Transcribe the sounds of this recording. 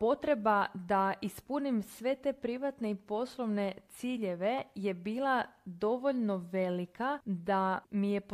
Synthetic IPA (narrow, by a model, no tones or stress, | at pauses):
po̞t̪ɾe̞bad̪aʔispunimsʋe̞t̪e̞pɾiʋat̪neipo̞slˠo̞ʋne̞t̪siːʎe̞ʋe̞je̞biːlˠad̪o̞ʋo̞ʎno̞ʋe̞likad̪amije̞p